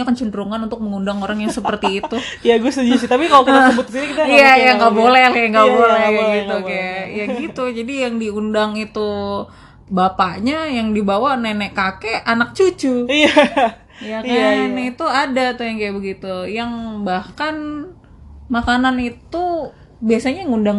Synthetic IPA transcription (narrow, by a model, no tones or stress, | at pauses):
akənt͡ʃundəɾuŋanunt̪ʊk̚məŋundaŋoɾaŋjaŋsəpərt̪iːt̪u | jaɡuast̪ud͡ʒisit̪apikalokiasəbʊt̪̚ksinikit̪aijajaŋɡaʔbolɛljaŋɡaʔbolɛɡɡit̪ukajajaɡit̪ud͡ʒadijaŋdiundaŋit̪u | bapaʔɲajaŋdibawanɛnɛʔkakeanak̚t͡ʃut͡ʃuija | jakajaɛnɛit̪uadat̪ujaŋkajabəɡit̪ujaŋbahkan | makananit̪u | biasaɲaŋundaŋ